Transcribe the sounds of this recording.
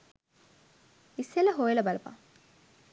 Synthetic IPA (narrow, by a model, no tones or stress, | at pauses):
iseləɦojelɐbalɐpa̰